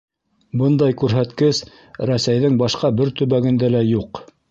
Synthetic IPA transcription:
bɤnd̪ɑjkʉɾɦæt̪kɘs | ɾæsæjðɘŋbɑʃqɑbɘɾt̪ɵ̆βæɡɘ̆nd̪ælæjuq

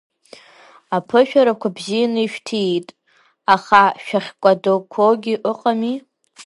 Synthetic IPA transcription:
apʰɨʃᶣaɾakʷʰabzijanɨiʃᶣtʰietʼ | aχaʃᶣaχʲkʷʼadokʷʰoɡʲiʔɨqʼami

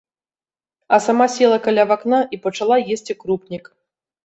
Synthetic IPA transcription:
ɐsamasʲɛlˠɐkalʲavaknaʔipɐt͡ʂalˠajesʲt͡sʲikɾupnʲik

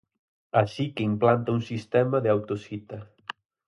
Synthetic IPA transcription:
aʃikeimplant̪aunsist̪ɛmaðeawt̪osit̪ɐ

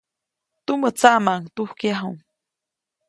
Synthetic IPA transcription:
t̪umət͡saʔmaŋt̪uhkjaɦuŋ

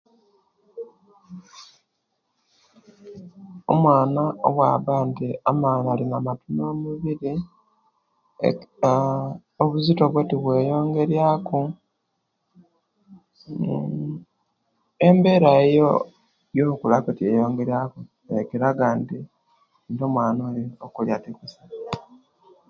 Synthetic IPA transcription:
o̞̰mwaːnao̰βwaːβantiamaːnalinamatumoːmuβiɾi | oβuzito̞βwetiβwe̞ːjo̞ːŋɡe̞ɾjako | embe̞ɾaejo | joukulaketiejo̞ːŋɡe̞ɾjako | ekeɾaɡaːndi | ndomwaːnoliokuljatikusa

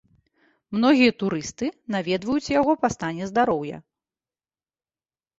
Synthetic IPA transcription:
mn̪ɔɣʲijɐt̪uɾɨst̪ɨnavʲɛd̪vɐjut͡sʲjaɣɔpast̪anʲɛzd̪aɾɔwjɐ̰

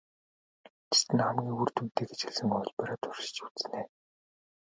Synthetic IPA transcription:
t͡ɕʰi̥t̪ɘ̆nχamɡʲiːŋurt̪um̥t̪eːɡet͡ɕxĕɮsɘ̆ŋɔɮʲpeɾaːt̪ʰʊ̥rʃɪ̥̆t͡ɕu̥t͡st͡sneː

